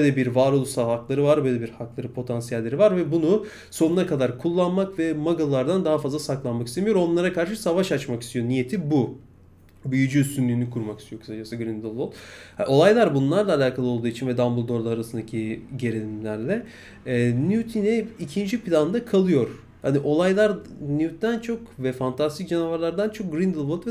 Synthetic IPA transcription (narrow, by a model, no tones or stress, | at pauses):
bølʲɛbiɾvaɾolˠsaɦaklˠaɾɯvaɾbølʲebiɾhaklˠaɾɯpʰo̞t̪ʰansijælʲːe̞ɾivaɾvɛbunu | so̞nunakad̪aɾkʰulˠːanmakvɛmaɡalˠaɾd̪and̪aɦafazlˠasaklˠanmakist̪emijo̞ɾo̞nlˠaɾakʰaɾʃɯsavaʃat͡ʃmaki̥st̪ʰijo̞nije̞t̪ʰibu | byjyd͡ʒyːst̪ynlʲyːnikʰuɾmakist̪ʰjo̞kʰɯ̥ad͡ʒasɯɡɾind̪ɯlˠvolˠha̰ʔo̞lˠajlˠaɾbunlˠaɾlˠaːlʲaːkʰalˠɯo̞lˠd̪uːit͡ʃʰinvɛd̪ambɯlˠd̪oɾd̪ˠaaɾasɯnd̪acʰiɟe̞ɾenʲimlʲæɾlʲɛː | nut̪ʰinɛicʰind͡ʒipʰilʲand̪akʰalˠɯjo̞ɾ | haniʔo̞lˠajlˠaɾnijut̪d̪ænt͡ʃʰo̞kvɛfant̪ʰast̪ʰic̚d͡ʒenavaɾlˠaɾd̪ant͡ʃʰo̞k̚ɡɾind̪ɯlˠvolˠt̪vɛ